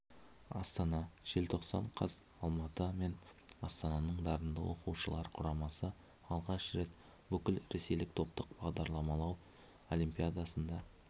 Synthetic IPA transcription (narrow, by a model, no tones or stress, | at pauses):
ɑ̰st̪ɑnɑʒ̥elt̪ʰo̞qsɑ̰ɴqʰɑ̰s | ɑlˠmɑt̪əme̞nɑst̪ɑnɑnəɴd̪ɑɾənd̪ə̰wo̞̰quʃəlˠɑɾqʰʊɾɑmɑsə | ɑlˠʁɑʃɾe̞t̪ | bʏkʲɪlɾe̞sejlɪk̚t̪ʰo̞p̚t̪əq̚b̥ɑʁd̪ɑɾlˠɑmɑlˠɑw | o̞limpʲijad̪asənd̪ɑ